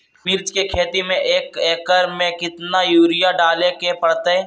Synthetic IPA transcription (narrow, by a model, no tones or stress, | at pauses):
mɪɾd͡ʒkekʰeːt̪imẽʔeːkeːkəɾmẽkɪt̪najuːɾɪjaɖaːlekepɐɽt̪eɦɛ̃ː